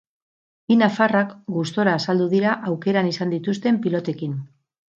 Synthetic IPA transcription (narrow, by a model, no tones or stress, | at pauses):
inafarakɡust̪o̞ɾaːsald̪uðiɾaʔawke̞ɾanisand̪it̪ust̪e̞mpilo̞t̪e̞kin